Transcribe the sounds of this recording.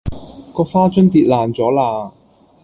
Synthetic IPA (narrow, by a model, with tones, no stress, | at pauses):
kɔː˧faː˥t͡ʃɵ˥nt̪iː˧t̚laː˨˩nt͡sɔː˨˥laː˧